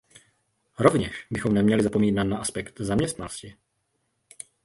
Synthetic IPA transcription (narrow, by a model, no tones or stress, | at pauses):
ɾo̞vɲɛʃbɪxo̞mnɛmɲɛlɪzapomiːnat̪naʔaspɛkt̪zamɲɛst̪nanoscɪ